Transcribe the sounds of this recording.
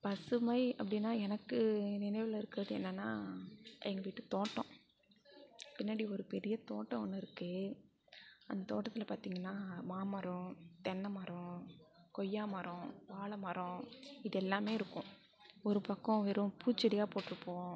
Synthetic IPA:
pɐsɯmɐɪɐpːɐɽɪnːaːɛnɐkːɯnɪnɐɪʋɪlɐɪɾɯkːɯɾɐðɯɛ̰nːɐnːaːʔɛŋɡɐʋɪʈːɯt̪oːʈːɔ̃ | pɪnːɐɽiɔɾɯpɛɾɪjɐt̪oːʈːɐ̃ɔnːɯɪɾɯkːɯ | ɐ̰nd̪ɐt̪oːʈːɐt̪ːɪlɐpaːɾt̪iːŋɡɐnːaːmaːmɐɾɔ̃t̪ɛnːɐmɐɾɔ̃kɔjːaːmɐɾɔ̃ʋaːɭɐmɐɾɔ̃ɪðɛlːaːmeːɪɾɯkːʊ̃ | ɔɾɯpɐkːɔ̃ʋɪɾʊ̃puːt͡ʃːɪɽɪjaːpoːʈːɯɾɯpːõː

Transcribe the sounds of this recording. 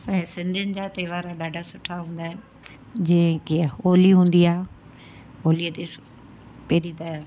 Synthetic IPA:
sãːsɪ̃nd̪ʱɪnɪ̆d͡ʑaːt̪eːʋaːɾaɗaːɖʱasʊʈʰaɦũːn̆d̪aːɦɪnɪ | d͡ʑɐ̃ɦkeoːliɦũːn̆d̪iaːɦe | ɦoːliət̪es | peɦɗit̪a

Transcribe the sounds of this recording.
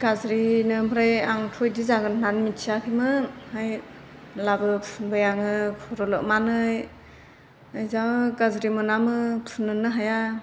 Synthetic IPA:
ɡ̥azɾinɯbʰʱɯɾajaŋtʰɔjdizaɡɯnnanmitsʰakʰimɯhaj | labɯpʰunbajaŋɯkʰɔɾɔlɔʔmanɯj | ɯjzaɡazɾimɯnamɯpʰunːɯnɯɦaja

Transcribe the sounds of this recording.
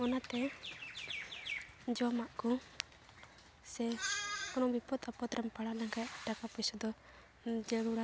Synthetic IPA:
ɔnat̪ɛ | d͡ʒɔmaʔkɔ | sɛkɔnɔbipɔt̪apɔt̪ɾɛmpaɽanaŋɡajaʈakapɔsɔd̪ɔ | d͡ʒəɽuɽa

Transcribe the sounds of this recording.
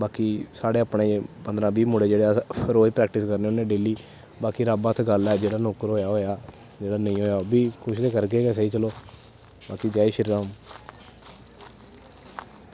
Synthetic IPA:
baːkiːsaːɽeːaːpɳeːbənd̪ɾãːbiːmʊɽeːd͡ʒeːɽeːpʰəɾoːd͡ʒpɾɛːk̚ʈɪskəɾneːʊnẽːɖeːliː | baːkiːɾaːbaːt̪ʰɡəlɛːd͡ʒeːɽaːnoːkəɾɦoːjaːɦoːjaː | d͡ʒeːɽaːnəĩːɦoːjaːbiːkʰʊʃt̪eːkəɾɡeːɡɛːs̬əiːt͡ʃəloː | baːkiːd͡ʒaːiːʃəɾiːɾãːm

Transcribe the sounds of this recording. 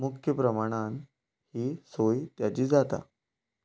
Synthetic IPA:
mukʰjəpɾəmaɽ̃an | hiːsojt̪jat͡ɕiːd͡zat̪a̰

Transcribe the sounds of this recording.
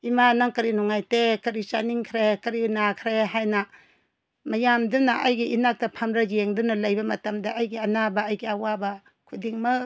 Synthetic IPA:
imanaŋkɐɾinuŋajtekɐɾit͡ʃaniŋkʰɾekɐɾinakʰɾeɦajnɐ | mɐjamdunɐʔajɡiinak̚tɐpʰamɾajeŋdunɐlɐjbɐmɐtɐmdɐʔːjɡiɐnabɐːjɡiɐwabɐ | kʰudiŋmɐ

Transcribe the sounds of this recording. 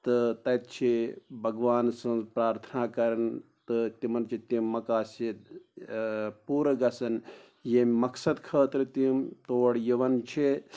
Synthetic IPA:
t̪ɨt̪ɐjt̪̚t͡ʃʰibʱɐɡʋaːnsɐ̃nzpɾaːɾt̪ʰənaːkɐɾɐnt̪ɨt̪imɐnt͡ʃʰit̪imːɐkaːsit̪ | puːɾɡɐsɐn | jemmɐksɐd̪kʰəːt̪ɾɨt̪imt̪oːɽjiʋɐnt͡ʃʰi

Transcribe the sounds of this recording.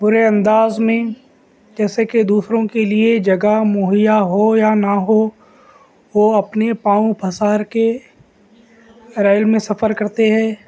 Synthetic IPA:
bʊɾeɐ̃nd̪aːzmẽ | d͡ʒɛːseked̪uːsɾõkelied͡ʒɐɡamoːɦɪjaɦojanaɦo | ʋoɐpnepãːũpʰɐsaːɾke | ɾɛːɪlmẽsɐfəɾkɐɾt̪eɦɛ̃ː

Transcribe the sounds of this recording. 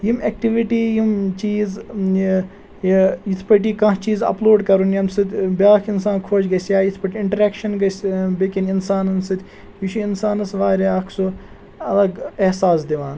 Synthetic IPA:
jimek̚ʈiʋiʈiːjimt͡ʃiːz | jit̪ʰpɐʈ̬iːkɐ̃ɦt͡ʃiːzɐ̰ploːɖkɐɾunjɐmsɨt̪ʲbʲaːkʰinsaːnkʰoːt͡ʃɡɐsjaːjit̪ʰpɐʈʲiɳʈɐɾeːkʃɐnɡɐsbekininsaːnɐnsɨt̪ʲ | jit͡ʃʰuinsaːnɐsʋaːɾiaːkʰsu | ɐlɐɡehsaːs̬d̪iʋaːn

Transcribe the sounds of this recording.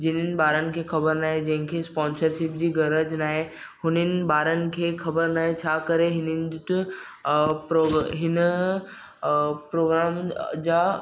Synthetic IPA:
d͡ʑɪnən̆baːɾənɪ̆kʰexɐbəɾnaːɦed͡ʑɐ̃ɦɪ̃kʰespɔ̃ːnsəɾʃɪp̚d͡ʑiːɡɐɾəd͡ʑnaːɦe | ɦʊnənɪ̆baːɾənɪ̆kʰexʰɐbəɾnaːɦet͡ɕʰaːkɐɾeɦɪnənt̪ | pɾoɦɪn | pɾoːɡɾaːmd͡ʑaː

